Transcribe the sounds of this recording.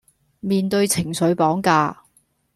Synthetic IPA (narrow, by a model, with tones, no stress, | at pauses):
miː˨˧nt̪ɵ˧ɥt͡sʰɪ˨˩ŋsɵ˨˥ɥpɔː˨˥ŋkaː˧